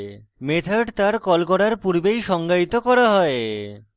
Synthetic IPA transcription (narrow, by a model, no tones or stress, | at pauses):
met̪ʰaɖt̪aɾkɔlkɔɽaɾpuɾbejʃɔŋɡait̪okɔɾaɦɔe